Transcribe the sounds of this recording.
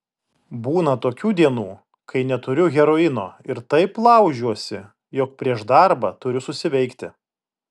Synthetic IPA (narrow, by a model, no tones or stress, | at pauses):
buːnɐt̪oːkʲuːd̪ʲiɛnuː | kɐɪnʲɛt̪ʊɾʲʊɣʲɛɾoɪnoːɪɾt̪ɐɪplˠɐʊʒʲuɔsʲɪ | joːk̚pʲɾʲiɛʃd̪ɐɾbɐt̪ʊɾʲʊsʊsʲɪʋʲɛɪkt̪ʲɪ